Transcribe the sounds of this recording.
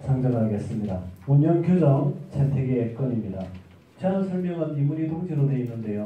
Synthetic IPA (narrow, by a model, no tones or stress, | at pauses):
t͡ɕʰaŋd͡ʑʌnaɡe̞s͈ɯmɲidauɲːʌnkʰjod͡ʑʌŋt͡ɕʰetʰeɡeːk͈ʌɲimɲida | t͡ɕʰeɾʌnsʰʌɭmjʌŋanimuɾitoŋd͡ʑiɾodwe̞inːɯnde̞jo